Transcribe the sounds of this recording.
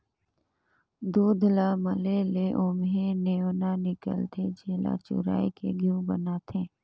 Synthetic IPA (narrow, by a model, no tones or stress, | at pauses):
d̪uːd̪ʱlaməleleʔʊmɦeneonanɪkə̰lt̪ʰed͡ʒeːla̰t͡ʃʊ̰ɾa̰ːikḛɡʱjũbə̰naːt̪ʰẽː